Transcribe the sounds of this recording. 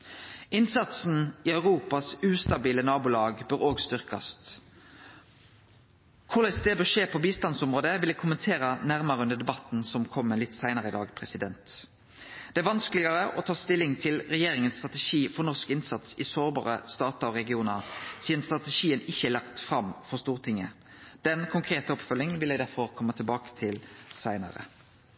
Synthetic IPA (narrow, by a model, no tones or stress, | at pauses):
ɪnsɑt̪sn̩ɪœʉʁuːpɑsʉːst̪ɑbiːlənɑːbʊlɑːɡbœɾoːɡst̪ʏʁkɑ̰st̪ | kʰʊlæɪsd̪eːd̪ɔʂeːpʰɔbiːst̪ɑnsɔmʁoːd̪əʋɪld̪ɛkʰʊmənt̪ʰeːɾənæʁmɑʁəʉnd̪əd̪ɛbɑt̪n̩sɔmkʰɔmːəlɪt̪ːsæɪnəʁəɪd̪ɑ̰ːɡpʰɾɛsɪd̪ɛnt̪ | d̪̥ɛæɾʋɑnsklɪɡɑʁəʔɔt̪ʰɑːst̪ɪlːɪŋt̪ʰɪlʁɛjeːʁɪŋənst̪ʁɑt̪ɛʃiːfɔʁnɔʁskɪnsɑt̪sɪsoːʁbɑ̰ːʁəst̪ɑːt̪ɑɔɾɛɡɪuːnəʁsiːd̪ənst̪ʁɑt̪ɛʃiːənɪçːəɛːlɑkt̪fʁɑmfɔʁst̪uːʁt̪ʰɪŋːə | d̪̥ɛnkʰʊŋkʰʁeːt̪əɔpfœlːɪŋʋɪljæɡd̪æɾfɔʁkʰɔmːət̪ʰɪlbɑːkə̥t̪ʰɪlsæɪnɑ̰ʁə̰